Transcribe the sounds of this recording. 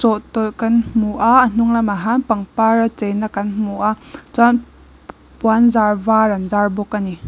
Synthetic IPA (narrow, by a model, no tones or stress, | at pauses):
t͡sɔʔt̪ɔlkanmmuʔaʔən̥uŋlamaɦanpaŋpaɾat͡sɛjnakɐnmuʔat͡san | pwanzarvaɾanzarbɔkːani